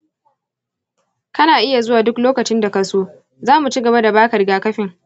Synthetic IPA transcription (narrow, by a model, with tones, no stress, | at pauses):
kɐ˦naː˨ʔɪ˦ja˨zʊ˦waː˨dʊ˦kloː˦kɐ˨t͡ʃɪ˦nda˨kɐ˨soː˦ | zaː˦mu˨t͡ʃiː˦ɡɐ˨ba˦da˨baː˦kɐ˨rɡaː˦kɐ˦ɸɪ˨ŋ